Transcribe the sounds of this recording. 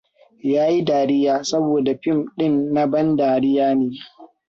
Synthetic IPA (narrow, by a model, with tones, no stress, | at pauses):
jaː˦ji˦daː˨ɾɪ˦jaː˨sɐ˦boː˨da˨ɸɪ˦˨mɗɪ˦nːa˦bɐ˦ndaː˨ɽɪ˦jaː˦neː˨